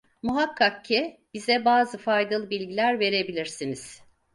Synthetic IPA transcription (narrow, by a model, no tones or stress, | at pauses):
muɦakʰːakcʰːib̥izɛbaːzɯfajd̪alˠɯbilʲɟilʲæɾve̞ɾe̞bilʲiɾsiniz̥